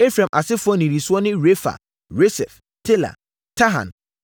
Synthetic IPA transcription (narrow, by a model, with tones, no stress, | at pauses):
e˦fɾã˨mʔa̰˨sɪ˦fʊ˦ɔ˦nĩ˨ɾi˨su˦ɔ˦nɪ̃˦ɾe˦fa̰˨ | ɾo˦sɛ̰˨f | tʰe˦la̰˨ | tʰa˦ɦã̰˨n